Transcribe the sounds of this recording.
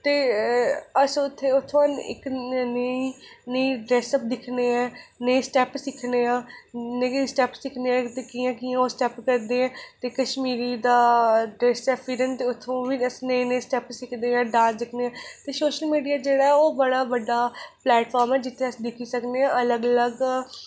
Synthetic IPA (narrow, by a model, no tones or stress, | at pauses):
t̪eː | əsʊt̪ʰːeːʊt̪ʰːõɪ̰knəinəiːɖɾɛːsəp̚d̪ɪkʰneːɛːnəĩsʈɛːpsɪkʰneːãːnəsʈɛːpsɪkʰneːɛ̃ːt̪eːkiːãːkiːãːoːsʈɛːpkəɾd̪eːɛ̃ːt̪eːkəʃmiːɾiːd̪aːɖɾɛːsɛːpʰiːɾənt̪eːʊt̪ʰːõːʋĩəsnəinəĩːsʈɛːpsɪkʰd̪eːɛ̃ːɖãːsd̪ɪkʰneːãːt̪eːsoːʃəlmiːɖijaːd͡ʒeːɽaːɛːoːbəɽaːbəɖːaːplɛːʈpʰɔːɾmɛːd͡ʒɪt̪ʰːeːəsd̪ɪkʰiːsəkneːãːələɡələɡ